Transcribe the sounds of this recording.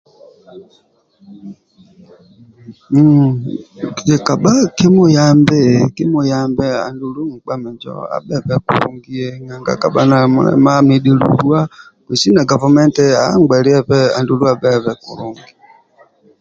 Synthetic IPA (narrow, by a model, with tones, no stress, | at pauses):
i˨ka˨ɓa˦ki˦mu˦ja˦mbɛ˦ki˦mu˦ja˦mbɛ˦a̰˨ndu˨lu˦ŋ̩˨k͡pa˦mɛ˨nd͡ʒɔ̰˦a̰˦ɓɛ˦˨βɛ˦kṵ˨ɾṵ˦˨ŋɡi˦ɛ˦ŋa˨ŋɡa̰˦ka˨ɓa˦na˨mṵ˨˦lɛ̰˦ma˦mi˦ɗi˨lṵ˨ɾu˦a˦ | kwi˨si˦na˨ɡa˨va˨mɛ˦ntɛ˦a̰˨˦ŋɡ͡bɛ˨li˦ɛ˦ɸɛ˦a˨ndu˨lu˦a˨ɓɛ˦˨βɛ˨kṵ˨ɾu˨ŋɡi˨